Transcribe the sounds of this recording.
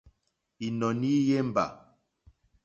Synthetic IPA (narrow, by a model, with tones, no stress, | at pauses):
i˨nɔ˨ni˦je˦m̩˨ba̰˨